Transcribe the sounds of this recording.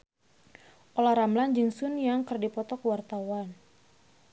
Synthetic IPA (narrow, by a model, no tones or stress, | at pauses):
ʔolaɾamland͡ʒɨŋsʊnjaŋkərdipɔt̪ɔkəwart̪awan